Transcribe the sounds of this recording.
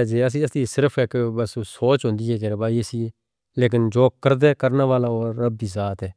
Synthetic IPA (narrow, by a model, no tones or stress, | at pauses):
d͡ʒeːəs̬ĩːəsiːsɪɾəpʰɪkbəssoːt͡ʃɦʊ̃nd̪iːɦɛːk̬ɛːɾeːbaːiəsiː | leːk̬ɪnd͡ʒoːkkːəɾd̪ɛːkəɾnaːʋaːlaoːɾːəbːiːzaːt̪ɦɛː